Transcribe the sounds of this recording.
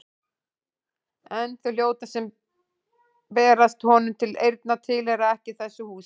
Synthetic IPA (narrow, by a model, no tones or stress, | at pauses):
ɛnθʏl̥joːwt̪asɛm | pɛːɾast̪hɔnʏmt̪ʰɪlejɾt̪nat̪ʰɪlɛɾaɛhcɪθɛsːʏhuː